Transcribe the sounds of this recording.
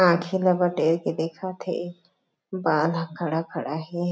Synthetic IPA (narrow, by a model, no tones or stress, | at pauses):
ãːkʰelɐbəɖeɾked̪eːkʰat̪ʰḛ | baːlakɐɽakɐɽaɦɛ